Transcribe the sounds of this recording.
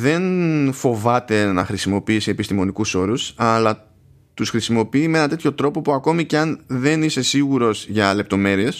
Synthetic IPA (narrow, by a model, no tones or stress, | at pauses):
ðe̞nfo̞vɐt̪e̞nɐxɾisimo̞piisiepist̪imo̞nikuso̞ɾusɐlɐ | t̪usxɾisimo̞piimee̞nɐt̪e̞t̪ço̞t̪ɾo̞po̞puɐko̞miceɐnðe̞nise̞siɣuɾo̞zʝɐle̞p̚t̪o̞me̞ɾie̞s